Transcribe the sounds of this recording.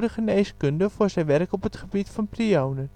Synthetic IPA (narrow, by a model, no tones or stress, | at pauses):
dəχəneːskøndəfʊːrzɛjʋɛrkɔpətχəbitfɑnpriownən